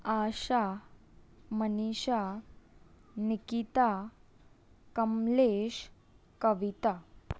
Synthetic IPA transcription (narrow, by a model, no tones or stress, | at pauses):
aɕa | məniɕa | nikit̪a | kəmleɕ | kəʋit̪a